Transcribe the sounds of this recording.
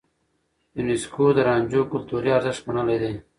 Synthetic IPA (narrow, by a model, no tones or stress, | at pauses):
juniskoːd̪əɾɑːɲʲd͡ʑoːkʊlt̪uːɾiɐɾzɪʂbɐɳəled̪eː